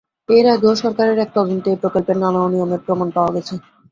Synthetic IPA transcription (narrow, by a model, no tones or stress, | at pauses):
eɾaɡoʃɔɾkaɾeɾɛk̚t̪ɔd͡ʑont̪epɾokolpeɾnanaonijomeɾpɾomanpaoaɡɛt͡ɕʰe